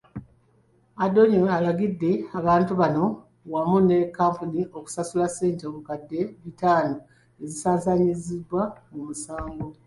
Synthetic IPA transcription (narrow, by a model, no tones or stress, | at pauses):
ado̞ɲoalaɡidːe̞aβaːntuβano̞ | wamune̞kːaːmpunio̞ku̥sasulase̞ːnteoβukadːe̞βitaːno̞ | e̞zisaːnsaɲizibwamumusaːŋɡo̞